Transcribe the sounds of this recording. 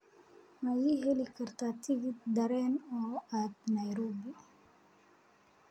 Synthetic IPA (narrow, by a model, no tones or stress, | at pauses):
majiɦelikaɾt̪at̪iɡid̪aɾɛnoat̪najɾobi